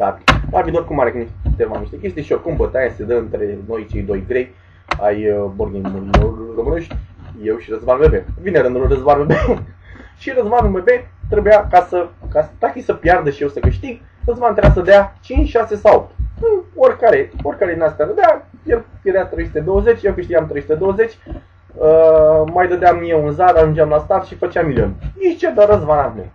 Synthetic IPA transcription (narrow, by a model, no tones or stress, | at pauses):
d̪aɾlavid̪orkumaɾeknit̪emaniʃt̪e̞kʲe̞st̪ijʃiolkumbət̪ajesed̪əɨnt̪ɾe̞no̞jt͡ʃe̞jd̪o̞jɡɾe̞j | a̰jəborɡʲinmouɡomuneʃt̪ʲje̞wʃiɾəzvaɾulvebevineɾɨnd̪ulrəzbaɾuebe | ʃiɾəzvanulmebet̪ɾebujakasəkast̪akʲisəpjard̪əʃijewsəkɨʃt̪iɡ̚ | rəzvant̪ɾeas̬əd̪eat͡ʃint͡ʃʲʃasesawo̰p̚t̪ɨnoɾʲkaɾeoɾʲkaɾed̪inast̪aɾəd̪eajelfjeɾat̪ɾejsu̥t̪ed̪owəzet͡ʃʲjewkɨʃt̪iɡamt̪ɾejsut̪ed̪o̞wəze̞t͡ʃʲ | əmajd̪əd̪eamnijeunzaɾaʒund͡ʒʲamlast̪at̪ʃifət͡ʃeamːilʲio̰njeʃt͡ʃed̪aɾəzvanavnḛ